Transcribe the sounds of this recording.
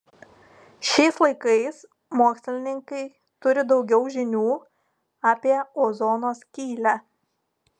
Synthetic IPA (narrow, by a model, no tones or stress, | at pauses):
ʃʲɛɪslˠɐɪkɐɪs | moːksʲlʲɪnʲɪŋkɐɪ | t̪ʊɾʲɪd̪ɒʊɡʲɛʊʒʲɪnʲuː | aːpʲiɛoːzoːnoːskʲiːlʲæ